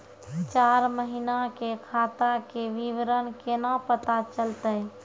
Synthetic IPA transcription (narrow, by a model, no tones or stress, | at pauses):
t͡ʃaɾməɦinakekʰat̪akeʋiʋɾənkenapət̪at͡ʃəlt̪əj